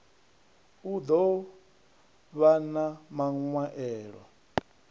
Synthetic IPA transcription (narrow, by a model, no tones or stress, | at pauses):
ud̪ɔ | βanamaŋwaʔɛːɺɔ̰